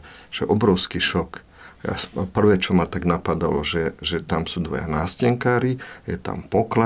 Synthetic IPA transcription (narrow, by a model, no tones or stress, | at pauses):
ʒ̥ɛʔɔbɾɔʊskiʃɔk | ja̰pr̩ʋɛːt͡ʃɔmat̪aɡnapad̪alɔʒɛʒɛt̪amsuːd̪ʋɔ̰ja̰naːscɛŋkaːɾijɛ̰t̪a̰mpɔkla